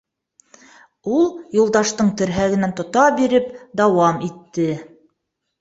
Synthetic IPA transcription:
ulˠjulˠd̪ɑʃt̪ɤɴt̪ɘ̆ɾɦæɡɘ̆nænt̪ŏt̪ɑbiɾɘpd̪ɑwɑmit̪ːɘ

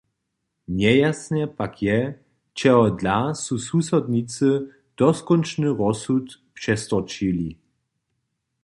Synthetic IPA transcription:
ɲɛjasnɛpakjɛ | t͡ʃɛɦɔdlasususɔd̪ɲit͡sɨ | d̪̥ɔskɔnt͡ʃnɨʁɔsut̪pʂɛst̪ɔt͡ʃili

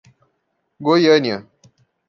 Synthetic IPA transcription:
ɡojənja

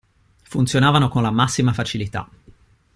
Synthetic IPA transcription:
funt̪sjonaːvanokonlamasːimafat͡ʃilit̪a̰

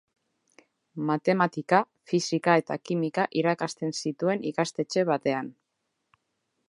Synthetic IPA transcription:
mat̪e̞mat̪ika | fisikae̞t̪akimikaʔiɾakast̪e̞nsit̪ue̞nikast̪e̞t͡ʃe̞β̞at̪e̞an

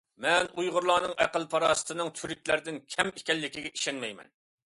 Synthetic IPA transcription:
mɛnujʁʊɾlˠɑːnɨŋʔæ̰qəlˠpʰɑɾɑːsɨ̥t̪ʰɨnɨŋt̪ʰyɾykʲlæɾd̪ɪnkʲʰɛmɪkʲɛlːɪkʲiɡʲɛʔiʃɛnmɛjmɛ̰n

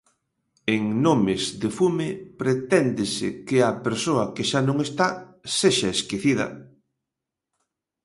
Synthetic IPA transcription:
eŋnõmezðefumɪpɾet̪ɛnd̪ɪsɪkɪɐpeɾsoɐkeʃanõŋest̪aseʃɐeskiθiðɐ̰

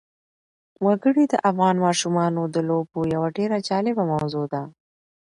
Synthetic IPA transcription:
waɡəɽid̪əʔafɣɑnmɑʃumɑnod̪əlobojawaɖeɾad͡ʒɑlɪbamawzod̪a

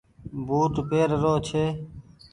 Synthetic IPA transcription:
buːt̪peːɾɾoːt͡ʃʰeː

